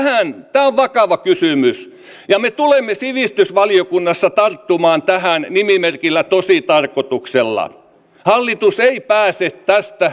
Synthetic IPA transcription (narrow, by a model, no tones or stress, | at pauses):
hæˑnt̪æːoʋʋɑkɑʋɑkysymys | jɑmet̪ulemːesiʋist̪ysʋɑliokunːɑsːɑt̪ɑrt̪ːumɑːnt̪æhæˑnnimimerkilːæt̪osit̪ɑrkot̪ukselːɑ̰ | hɑlːit̪useipæːset̪t̪æst̪æ